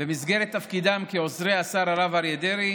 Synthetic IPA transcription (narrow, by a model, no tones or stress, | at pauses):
emizɡeɾet̪ːafkid̪amkeozʁeasaɾaɾavaɾjed̪eɾi